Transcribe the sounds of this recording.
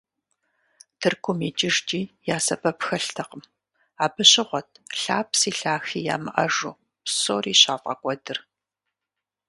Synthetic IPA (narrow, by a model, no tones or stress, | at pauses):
tʰɨrkʷʰʊmiːt͡ʃʼɪʒd͡ʒʼiːjaːsɐpʰʼɐpxɐɬtʰɐqəm | aːbɨɕɪʁʷɔtʰɬaːpsiːɬaːxiːja̰ːmɨʔɐ̰ʒuː | psoːriːɕaːfʼɐ̰kʷʼɔdɨr